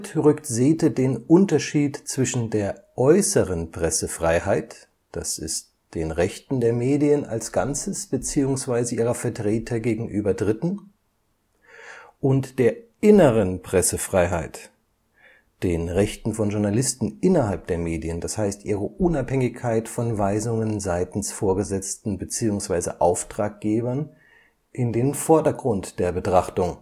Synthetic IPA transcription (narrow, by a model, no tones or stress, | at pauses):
tʁʏktzeːtədeːnʔʊntɐʃiːtt͡sv̥ɪʃn̩deːɐʔɔʏsəʁənpʁ̥ɛsəfʁ̥aɪhaɪt | d̥asɪ̰st | d̥eːnʁɛçtn̩deːɐmeːdiəna̰lsɡ̥ant͡səsb̥ət͡siːʊŋsv̥aɪzəʔiːʁɐfɛɐtʁ̥eːtʰɐɡeːɡŋ̩ʔyːbɐdʁɪtn̩ | ʔʊntd̥eːɐʔɪnəʁənpʁ̥ɛsəfʁ̥aɪɦaɪt | d̥eːnʁɛçtn̩fɔnʒʊɐnalɪstn̩ʔɪnɐɦalp̚d̥eːɐmeːdiənd̥ashaɪstʔiːʁəʔʊnaphɛŋɪçkʰaɪtfɔnvaɪzʊŋənzaɪtn̩sfoːɐɡəzɛt͡stn̩bət͡siːʊŋsv̥aɪzə̰ʔaʊftʁ̥aːk̚ɡ̥eːbɐn | ʔɪndeːnfɔɐdɐɡʁʊntd̥eːɐbətʁ̥aχtʊŋ